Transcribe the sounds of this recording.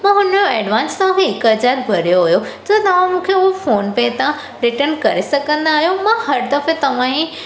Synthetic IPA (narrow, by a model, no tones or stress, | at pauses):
mãːɦʊnjoɛːɖʋãːnst̪ɐʋ̤ãkʰeɦɪkɦɐd͡ʑaːɾbʱɐɾijoɦʊjod͡ʑɐt̪ɐʋ̤ãmũːkʰeʊɦofoːnpẽt̪ã | ɾɪʈənkɐɾesɐɡʱə̃nd̪aːɦijõmãhɐɾd̪ɐfet̪ɐʋ̤ãĩ